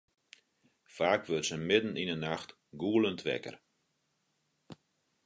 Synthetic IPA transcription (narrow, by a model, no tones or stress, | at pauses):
faːkʋøtsəmɪdn̩inənaxt | ɡuəlˠəntʰʋɛ̰kə̰r